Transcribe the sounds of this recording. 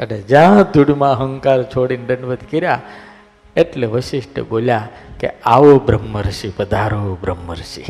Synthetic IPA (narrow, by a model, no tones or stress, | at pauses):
ə̰ned͡ʒãd̪ʱuɽmãəɦəŋkaɾt͡ʃʰoɽinɖəɳɖʋəd̪ʱkiɾja | eʈleʋəʃiʃʈʰə̰bolja | kḛaʋobɾəmːəɾʃipəd̪ʱaɾobɾəmːəɾʃḭ